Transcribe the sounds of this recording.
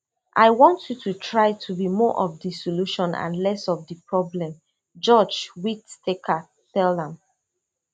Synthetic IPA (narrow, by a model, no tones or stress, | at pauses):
ʔaɪwɔ̃ntʰjutʰutʰɹaɪtʰubimɔʔɔvdisɔluʃɔ̃nã̰nlɛsɔvdipʰɹɔblɛ̃m | d͡ʒɔd͡ʒwittekʰa | tɛlə̃m